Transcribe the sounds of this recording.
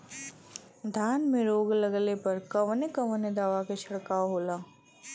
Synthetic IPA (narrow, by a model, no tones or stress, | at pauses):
d̪ʱaːnmẽɾoːɡlɐɡlepɐɾkɐʋnekɐʋned̪aːʋaket͡ʃʰɐɽkaoɦoːlaː